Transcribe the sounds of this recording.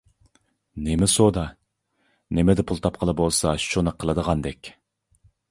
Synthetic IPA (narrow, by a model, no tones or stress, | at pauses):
nemɛsod̪ɑ | nemɛd̪ɛpʰulˠt̪ʰɑp̚qʰəlˠɨbolˠsɑʃʃt͡ʃonəqʰːəlˠɨd̪əʁɑnd̪ɛkʲ